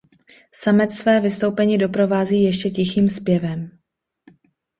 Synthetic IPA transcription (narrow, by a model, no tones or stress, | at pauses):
samɛt͡s̪svɛːvɪst̪o̞wpɛɲiːdo̞pɾo̞vaːziːjɛʃcɛcɪxiːmspjɛvɛm